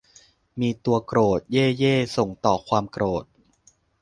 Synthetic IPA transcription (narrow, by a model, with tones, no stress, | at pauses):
miː˧t̪u˧ɐkɾoː˨˩t̪̚jeː˥˩jeː˥˩so˨˩ŋt̪ɔː˨˩kʰwaː˧mkɾoː˨˩t̪̚